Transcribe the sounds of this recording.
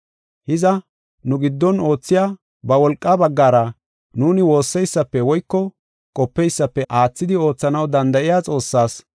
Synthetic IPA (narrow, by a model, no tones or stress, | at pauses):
hɪzɐ | nʊɡɪd̪ːɔno̞ːt͡sːɪjaː | bɐwɔlkʼːabɐɡːaːɾɐ | nuːnɪwo̞ːsːɛjsːɐpːɛwɔjkːɔ | kʼɔpːɛjsːɐpːɛʔaːt͡sːɪd̪ɪo̞ːt͡sːɐnɐwd̪ɐnd̪ɐʔɪjaːt͡sʼo̞ːsːaːs